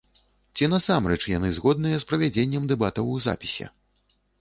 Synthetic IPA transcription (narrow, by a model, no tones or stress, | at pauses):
t͡sʲin̪ɐsamrɛt͡ʂjanɨzɣɔd̪̚nɨjɐspɾɐvʲad͡zʲenʲːɛmd̪ɛbat̪ɐwuza̰pʲisʲɛ̰